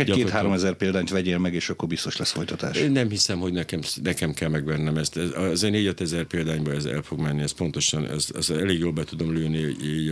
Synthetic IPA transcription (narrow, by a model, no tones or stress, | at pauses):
ɛɒeːt̪haːɾomɛzɛrpeːld̪aːɲt̪ʋɛɟeːlmɛɡeːʃɒkːo̞rbist̪o̞ʃlɛsfo̞jt̪ɒt̪a̰ːʃeːnnːɛmhisɛmho̞ɟnɛkɛmnɛkɛmkɛlmɛɡʋɛnnɛmɛst̪ɛzeneːɟɒt̪ɛzɛrpeːld̪aːɲbɒɛzɛ̰lfo̞ɡmɛnːiɛst̪po̞nt̪o̞ʃɒnɛ̰sɛ̰sɛleːɡjoːlbɛt̪ud̪o̞mløːni